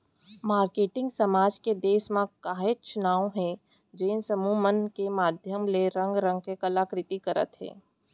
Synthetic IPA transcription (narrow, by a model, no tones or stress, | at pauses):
maːɾkeːʈɪ̃ŋɡsɐmaːd͡ʒked̪eːsmãkaːɦet͡ʃʊnaːõɦɛ̃ | d͡ʒeːnsɐmuːmənkemaːd̪ʱjəmleɾə̃ŋɡɾə̃ŋɡ̚kekɐlaːkɾɪt̪ikɐɾə̰t̪ɦɛ̰̃ː